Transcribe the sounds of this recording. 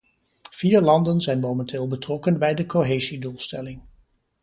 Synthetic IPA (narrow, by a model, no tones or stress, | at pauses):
v̥iːɹlɑndənzɛjnmowmɛntɪːlˠbətrɔkənbɛjdəkoɦejzidulˠstɛlɪŋ